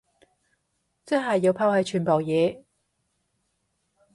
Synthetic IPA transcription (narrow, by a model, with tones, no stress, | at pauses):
t͡sɛ˥ɦɐ˨jːiː˨˧wpʰaː˥whɐ˨˥jt͡ʃʰyː˨˩npoː˨˩wjɛː˨˧